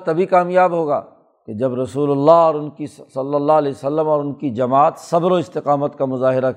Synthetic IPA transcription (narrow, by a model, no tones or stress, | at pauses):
t̪ɐbʱikaːmjaːbɦoːɡa̰ː | ked͡ʒɐbɾɐsuːlʊlːaɦɔːɾʊnkisɐlːəlːalɛːsɐlːəmɔːɾʊnkid͡ʒɐmaːt̪sɐbɾoɪst̪ɪqaːmət̪kamʊzaːɦɪɾa